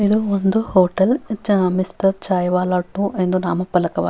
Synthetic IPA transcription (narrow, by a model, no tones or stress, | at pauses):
id̪uond̪uhoːʈɐlmisʈɐɾt͡ʃaːjʋaːlaːʈːuʔend̪unaːmɐpɐlɐkɐʋa̰ː